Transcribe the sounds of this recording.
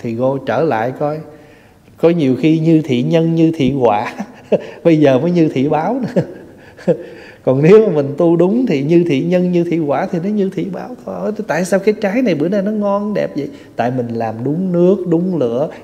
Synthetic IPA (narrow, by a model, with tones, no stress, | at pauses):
t̪ʰi˨˩ɣo˧t͡ɕəː˧˩la̰ː˧˨jkɔ˧j | kɔ˨˦ɲi˨˩əwxi˧ɲɨ˧t̪ʰḭ˧˨ɲə˧nɲɨ˧t̪ʰḭ˧˨ɣwaː˧˥ɓə˧jzəː˨˩məː˨˦jɲɨ˧t̪ʰḭ˧˨ɓaː˨˦wnɨ̰˧˥˦ | kɔ˨˩nne˨˦wmaː˨˩mï˨˩ŋ̟t̪u˧ɗʊ˨˦ŋ͡mt̪ʰḭ˧˨˩ɲɨ˧t̪ʰḭ˧˨ɲə˧nɲɨ˧t̪ʰḭ˧˨kwaː˧˩t̪ʰi˨˩nɔ˨˦ɲɨ˧t̪ʰḭ˧˨ɓaː˨˦wkɔ˧jt̪a̰ː˧˨jsaː˧wkaː˨˦jt͡ɕaː˨˦jna˨˩jɓɨ̰˧˩ənaː˧˩nɔ˨˦ŋɔ˧nɗɛ˨˩p̚zə̰˧˨j | t̪a̰ː˧˨jmï˨˩ŋ̟laː˨˩mɗʊ˨˦ŋ͡mnɨ˦˥ək̚ɗʊ˨˦ŋ͡mlɨ̰˧˨˥ə